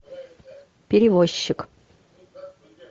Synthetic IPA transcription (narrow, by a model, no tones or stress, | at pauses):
pʲɪɾʲɪvoɕːɪk